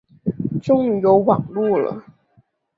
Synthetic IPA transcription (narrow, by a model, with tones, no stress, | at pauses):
ʈ͡ʂʊ˥ŋjo˧˥ʊwɑ˨˩ŋlu˥˩lə̰˩